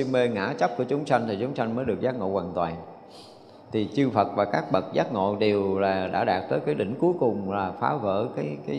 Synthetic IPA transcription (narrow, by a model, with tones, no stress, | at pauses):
i˧ŋme˧ŋa̰ː˧˥t͡ɕp̚ku˧˩ət͡ɕʊ˨˦ŋ͡msa˧ŋ̟t̪ʰi˨˩t͡ɕʊ˨˦ŋ͡msa˧jŋ̟məː˨˦jɗɨ˨˩ək̚zaː˦˥t̚ŋo̰˧˨kwaː˨˩nt̪waː˨˩n | t̪ʰi˨˩t͡ɕɨ˧fə˨˩t̚vaː˨˩kaː˦˥k̚ɓə˨˩t̚zaː˦˥t̚ŋo̰˧˨ɗe˨˩wlaː˨˩ɗa̰ː˧˥ɗaː˨˩k̚t̪əː˨˦jkaː˨˦jɗï˧˩ŋ̟ku˨˦jkʊ˨˩ŋ͡mlaː˨˩faː˨˦və̰ː˧˥kaː˨˦jkaː˨˦j